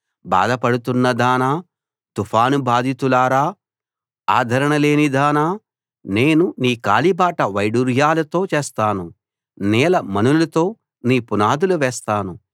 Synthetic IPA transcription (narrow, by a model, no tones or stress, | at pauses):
ba̰ːd̪ɐpɐɽut̪unːɐd̪aːnaː | t̪upʰaːnubaːd̪ʱit̪ulaːɾaː | aːd̪ʱɐɾɐɳɐle̞ːnid̪aːnaː | ne̞ːnuniːkaːlibaːʈɐʋɐjɖuɾjaːlɐt̪o̞ːt͡ʃeːst̪aːnu | nɛːlɐmɐnullɐt̪o̞ː | niːpunaːd̪uluʋɛːst̪aːnu